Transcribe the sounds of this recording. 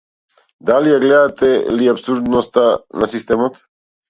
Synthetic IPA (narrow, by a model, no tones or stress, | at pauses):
d̪alijaɡlɛd̪at̪ɛliapsuɾd̪nost̪anasist̪ɛmot̪